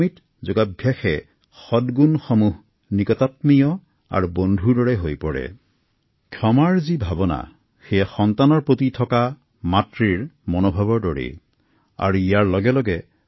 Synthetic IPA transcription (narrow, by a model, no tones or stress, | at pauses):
mit | zoɡabʱjaxɛ | xɔdɡunxɔmuɦ | nikɔtatmijɔ | a̰ɹubondʱudɔɹɛɦojpɔɹɛ̰ | kʰjɔmaɹzibʱabɔna̰ | xejaxɔntanɔɹpotitʰɔka | matɹiɹmɔnobʱabɔɹdɔɹḭ | a̰ɹuijaɹlɔɡɛlɔɡɛ